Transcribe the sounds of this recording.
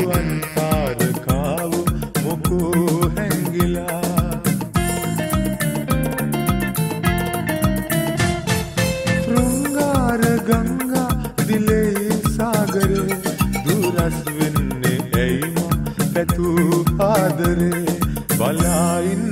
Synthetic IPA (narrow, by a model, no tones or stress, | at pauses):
ɐnsaːɾɨkaːʋumokuɦɛŋɡila | t̪ɾuŋɡaːɾəɡɐŋɡa | d̪ileisaːɡɐɾed̪uːɾɐsʋinːiejmap̪ɛt̪upaːd̪ɐɾebɐlain